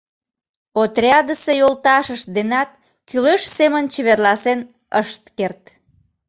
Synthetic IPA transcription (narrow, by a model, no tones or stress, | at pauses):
ot̪rʲɑd̪əsejolt̪ɑʃəʃd̪enɑt̪̚ | kyleʃsemənt͡ɕeβerlɑsen | əʃt̪̚kert̪